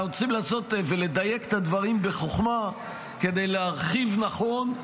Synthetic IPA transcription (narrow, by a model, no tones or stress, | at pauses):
ot͡simlaːso̞t̪vele̞d̪ajeke̥t̪ad̪vaʁimbe̞χoχma | ke̞d̪ejleaʁχivnaχo̞n